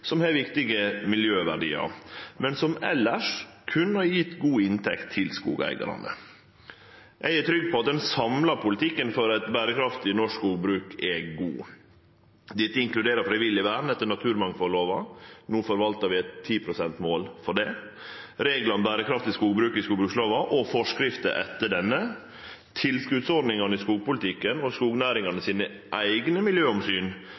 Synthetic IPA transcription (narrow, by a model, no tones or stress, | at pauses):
sɔmhɛʋɪkt̪ɪɡəmɪljøːʋæɖḭːɑ̰ɾmɛnsɔmɛ̰lːəʂkʰʉnːhɑɾjɪt̪ːɡuːɪnt̪ʰɛ̰kt̪ʰːɪlskṵːɡæ̰ɪɡɑ̰ɾɑ̰nə̰ | ʔɛɡæt̪ʰɾʏɡ̚pʰɔɑt̪̚d̪ɛnsɑmlɑɾpʰʊlɪt̪ʰɪkːənfɔɾɛt̪bæːɾəkʰɾɑft̪ɪnɔʂkkuːɡbɾʉːkʰɛɡṵː | d̪ɪt̪ːəɪŋklʉd̪eːɾəfɾɪʋɪlɪʋæːn̩ɛt̪ːəɳɑt̪ʰʉːɾmɑŋfɔlːoːʋɑnuːfɔɾʋɑlt̪əɾʋɪæɪt̪ʰːiːpʰɾʊsɛnt̪moːlfɔɖɛ | ɾeːɡlɑnbæːɾəkʰɾɑft̪ɪskuːɡbɾʉːkɪskuːɡbɾʉːksloːʋɑʔɔfɔʂkɾɪft̪ə̰ʔɛ̰t̪ːəɖɛnːə | t̪ʰɪlskʉd̪sɔɖnɪŋɑnəɪskuːɡ̚pʊlɪt̪ʰɪkːənɔskuːɡnæːɾɪŋɑnəsiːnə | ʔæɪɡnəmɪljøːɔmsyːn